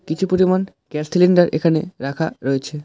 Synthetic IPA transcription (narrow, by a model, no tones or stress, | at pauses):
kit͡ɕʰupoɾiman | ɡɛssiliɳɖaɾʔḛkʰanḛɾakʰa̰ɾoet͡ɕʰe